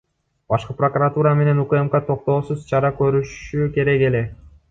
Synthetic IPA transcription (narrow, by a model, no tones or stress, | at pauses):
bɑʃqɯprokurat̪uɾɑme̞ne̞nukemkat̪ʰo̞q̚t̪o̞ːsuzt͡ʃʰɑɾɑkø̞ɾyʃyke̞ɾe̞ke̞le̞